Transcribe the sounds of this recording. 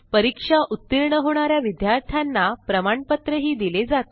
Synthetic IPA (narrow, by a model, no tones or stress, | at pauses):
pəɾikʂaʔut̪ːiɾɳəɦoɽ̃aɾjaʋid̪jaɾt̪ʰjanːapɾəmaɳpət̪ɾəɦiːd̪iled͡zat̪